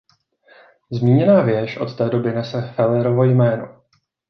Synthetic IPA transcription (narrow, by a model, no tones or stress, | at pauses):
zmiːɲɛnaːvjɛʃʔo̞t̪t̪ɛːdo̞bɪnɛsɛfɛlɛɾo̞vo̞jmɛːno̰